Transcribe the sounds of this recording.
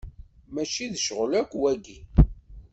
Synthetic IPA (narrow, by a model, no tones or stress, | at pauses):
mæt͡ʃiðʃəʁlækʷːwæɡi